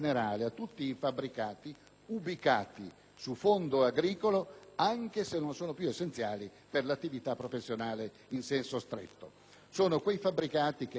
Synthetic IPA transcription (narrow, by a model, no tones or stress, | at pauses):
neɾaːleat̪ːut̪ːiːfabɾikaːt̪i | ubikaːt̪i | sufond̪oaɡɾiːkoloaŋk̟esenːonsoːnopjuesːent̪sjaːli | perlat̪ːivit̪apːɾofesːjonaːle | insɛnsost̪ɾḛt̪ːo | soːnokwejfabɾikaːt̪ike